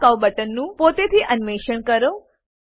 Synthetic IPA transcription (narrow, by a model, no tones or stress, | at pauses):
kəʋbəʈənːũpot̪et̪ʰiʔənmeʃəɳkəɾo